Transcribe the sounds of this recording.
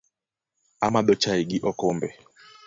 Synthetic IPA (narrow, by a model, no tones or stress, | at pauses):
amaɗɔt͡ʃaiɡiʔɔkɔmbɛ